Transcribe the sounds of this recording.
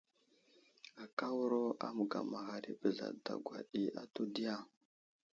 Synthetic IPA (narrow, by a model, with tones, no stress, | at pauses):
a˨ka˦wu˦ɾo˦a̰˦mu˨ɡa̰˨ma˨ɣa˨ɾi˦bə˨ɮa̰˨da̰˨ɡʷwa˨ɗi˨a˨tu˦di˦ja˦˨